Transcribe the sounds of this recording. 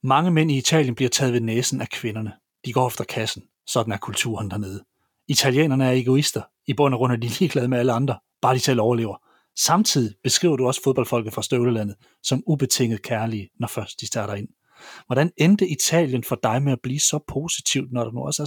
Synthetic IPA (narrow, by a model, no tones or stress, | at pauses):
mɑ̈ŋəmen̰iːt͡sʰɛ̰ːljənb̥liɐt͡sʰɛ̰ːð̞̩ˠʋe̝neːsn̩ækʰʋenɐnə | d̥iɡ̥ɒ̰ːefd̥ɐkʰæsn̩ | sɒ̽d̥n̩æɐkʰult͡sʰṵɐnd̥æɐne̝ːð̞ˠə | it͡sʰæljḛːnɐnəæɐe̝ɡ̥o̝isd̥ɐ | ib̥ɔ̽n̰æʁɔ̽n̰ɐd̥iliːɡ̥lɛðˠmeæləɑ̈nd̥ʁɐ | b̥ɑ̈ːd̥iselɒʊɐle̝̰ʊɐ | sɑ̈mt͡sʰið̞̰ˠib̥e̝sɡ̥ʁḭːʊɐɾ̥uɒ̽sə̥foðˠb̥ɒ̽lfɒ̽l̰ɡð̩ˠfʁɑ̈sd̥øʊləlæn̰ð̞̩ˠ | sɒ̽mub̥e̝t͡sʰe̝ŋ̰ð̩ˠkʰæɐliənɒfɶɐsd̥̚d̥isd̥ɑ̈ːɾ̥ɑ̈e̝n̰ | ʋɒɾ̥ænend̥əʔit͡sʰɛ̰ːljənfɒ̽d̥ɑ̈ɪmeæb̥liːsɒ̽pʰo̝si̥t͡sʰiʊd̥nɒɾ̥ɑ̈nuɒ̽sæɐ